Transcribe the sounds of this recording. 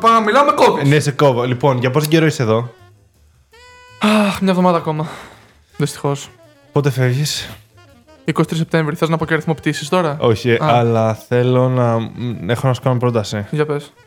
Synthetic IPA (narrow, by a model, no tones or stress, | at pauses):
pɐmilɐmekopineseko̞volipo̞nʝɐpot̪iɟeɾoiseðo̞ | axmɲɐevðo̞mɐðɐːko̞mɐ | ðist̪i̥xo̞s | po̞t̪e̞fe̞vʝis | ikosi̥t̪ɾisep̚t̪ẽ̞ɱvɾiθeznɐpoceɾiθimo̞pit̪isi̥st̪o̞ɾɐo̞çiʔɐlɐθe̞lo̞nɐexonɐsu̥kɐnompɾo̞t̪ɐsiʝɐpes